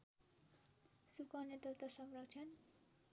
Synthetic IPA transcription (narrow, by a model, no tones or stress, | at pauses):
sukʌnet̪ʌt̪ʌsʌmrʌkt͡sʰʌn